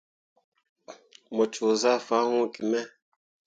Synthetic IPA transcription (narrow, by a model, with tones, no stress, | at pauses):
mɔ˨t͡ʃo˨za˦˨fa˨˦hũ˦˨ki˨mɛ˦